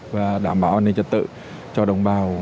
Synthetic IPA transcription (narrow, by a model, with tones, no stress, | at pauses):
vaː˨˩ɗaː˧˩˦mɓaː˧˦wʔaː˧ne˧˩nt͡ɕə˨˩t̚t̪ɨ̰˧˨ | t͡ɕɔ˧ɗə˨˩wŋ͡mɓaː˨˩w